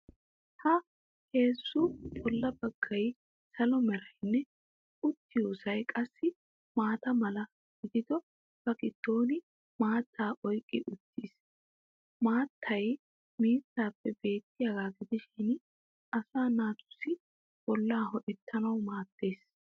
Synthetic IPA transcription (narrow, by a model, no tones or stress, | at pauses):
hɐ | he̞ːsːʊbʼɔlːɐbɐɡ̥ːɐj | sɐlɔmɛɾɐjɪnːɛ | ʊt̪ːɪjuːsɐjkʼɐsːɪ | maːt̪ɐmɐlɐ | ɡ̥ɪd̪ɪd̪ɔ | b̥ɐkʼɪt̪ːo̞ːnɪ | maːt̪ʰːaːʔɔjkʼːɪʔʊt̪ːis | maːt̪ʰːɐj | miːt̪ːaːpːɛbe̞ːt̪ːɪjaɡaːɡɪd̪ɪʃɪn | ɐsaːnaːt̪ʊ̥sɪ | b̥ɔlːaːhɔʔɛt̪ʰːɐnɐwmaːt̪ːeːs